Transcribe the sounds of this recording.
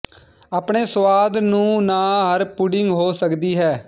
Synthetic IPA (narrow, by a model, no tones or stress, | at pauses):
aːpɳeːsʋaːd̪nũːnaːɦəɾpʊɖɪŋɡɦoːsəkd̪iːɦɛː